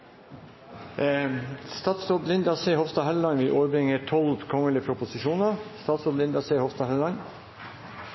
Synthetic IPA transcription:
st̪ɑːt̪sɾɔblɪnd̪ɑseːhɔfst̪ɑɦɛllɑnʋɪlʔoːɾbɾɪŋət̪ʰɔlʋkʰɔŋəlɪəpʰɾʊpʊsɪʂuːnəɾst̪ɑːt̪sɾɔːblɪnd̪ɑsehɔfst̪ɑhɑllɑn

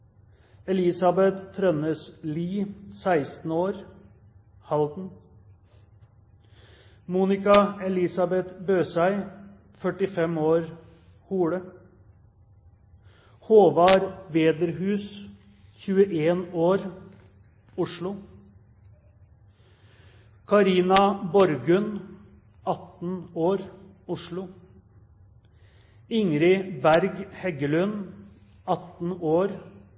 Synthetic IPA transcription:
ɛliːsɑbɛt̪ʰːɾœnəsliːsæɪst̪n̩oːɾ | hɑld̪n̩ | muːnɪkɑɛlɪːsɑbɛt̪bøːsæɪ | fœʈɪfɛmoːɾ | huːɽə | hoːʋɑːɾʋeːd̪əɾhʉːs | ɕʉːəʔeːnoːɾ | ʊʂɭʊ | kʰɑɾiːnɑbɔɾɡʉn | ɑt̪n̩oːɾ | ʊʂɭʊ | ɪŋɾɪbæɾɡhɛɡəlʉn | ɑt̪n̩oːɾ

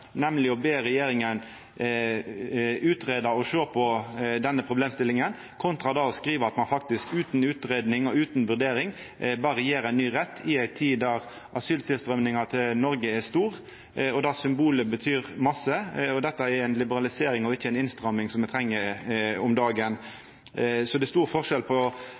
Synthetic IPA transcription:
nɛmlɪɔbeːɾɛjeːɾɪŋən | ʉːt̪ɾeːd̪ɑɔʂøːpʰɔd̪ɛnːəpʰɾʊbleːmst̪ɪlɪŋən | kʰʊnt̪ɾɑd̪ɑɔskɾiːʋəɾɑt̪mɑnfɑk̚t̪ɪskʉːt̪nʉːt̪ɾeːd̪nɪŋɔʉːt̪nʋʉʁd̪eːɾɪŋ | bɑːʁəjeːɾænːyːɾɛt̪ʰːɪæɪt̪ʰiːd̪ɑʁ | ʔɑsyːlt̪ʰɪlst̪ʁœmnɪŋɑt̪ʰɪlnɔɾɡəɛst̪uːʁ | ɔd̪ɑsʏmbuːləbət̪ʰyːʁmɑsːəɔd̪ɛt̪ːɑɛɾæɪnlɪbəɾɑlɪseːɾɪŋɔɪçːəæɪnɪnst̪ɾɑmːɪŋsɔmɛɪt̪ʰɾɛŋːəɔmd̪ɑːɡən | sɔd̪ɛst̪uːɾfɔʁʂɛlpʰɔ

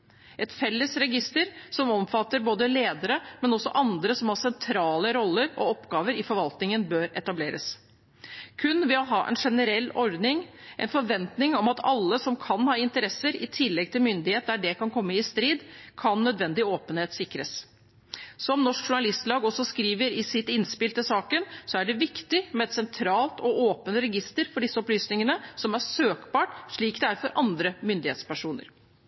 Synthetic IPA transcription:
ʔɛt̪fɛlːəsɾɛɡɪst̪əɾsɔmɔmfɑt̪ːəɾboːd̪əleːd̪əɾəmɛnɔsːɔ̰ʔɑnd̪ɾəsɔmhɑsɛnt̪ʰɾɑːləɾɔlːəɾɔ̰ɔpːɡɑːʋəɾɪfɔɾʋɑlt̪nɪŋənbøːɾɛt̪ɑbleːɾə̰s | kʰʉnʋɪɑlɦɑːʔɛ̰nʂɛnəɾɛlːɔɾd̪nɪŋʔɛ̰nfɔɾʋɛnt̪nɪŋɔmɑt̪ɑlːəsɔmkʰɑnhɑːɪnt̪əɾɛsəɾɪt̪ʰɪlːɛɡ̚t̪ʰɪlmʏnd̪ɪheːt̪̚d̪æɖɛkʰɑnkʰɔmːəɪst̪ɾiːd̪kʰɑnːœd̪ʋɛnd̪ɪoːpənheːt̪sɪkːɾəs | sɔmnɔʂkʂʊɳɑlɪst̪lɑːɡɔsːɔskɾiːʋəɾɪsɪt̪ɪnspɪlt̪əsɑːkənsɔæɖɛʋɪkt̪ɪmɛɛt̪sɛnt̪ʰɾɑːlt̪ʰɔoːpənɾɛɡɪst̪əɾfɔɖɪsːəɔplyːsnɪŋənəsɔmæʂøːkbɑːʈʂɭiːkd̪ɛæɾfɔɾʔɑnd̪ɾəmʏnd̪ɪhḛːt̪spæʂuːnə̰ɾ

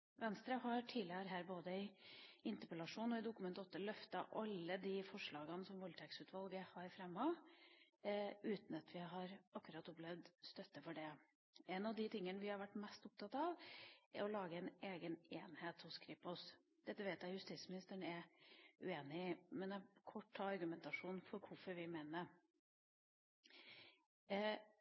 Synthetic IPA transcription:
ʋɛnst̪ɾəhɑɾʈʰiːlɪəɾɦæːɾboːd̪əɪɪnt̪əpəlɑʂuːnɔɪd̪ʊkʉmɛnt̪ɔt̪ːəlœft̪ɑʔɑlːəd̪ɪfɔʂɭɑːɡɑnsɔmʋɔlt̪ʰɛksʉːt̪ʋɑlɡəhɑɾfɾɛmːɑ | ʉːt̪n̩ɑt̪ʰʋɪɦɑɾʔɑkːʉɾɑt̪ɔplɛʋd̪st̪œt̪ːəfɔɖɛ | ɛnɑʋd̪ɪt̪ʰɪŋːənəʋɪhɑɾʋæʈːmɛst̪ʊp̚t̪ʰɑt̪ɑʋʔɛ̰ɾɔlɑːɡəɛɪnʔeːɡəneːnheːt̪hʊskʰɾipʊs | d̪̥ɛt̪ːəʋeːt̪jæɪjʉst̪ismɪnɪst̪əɳɛʉeːnɪmɛnɛkʰɔʈːʰɑːɑɾɡʉmɛnt̪ɑʂuːnfɔɾkʰʊfɔɾʋɪmeːnə

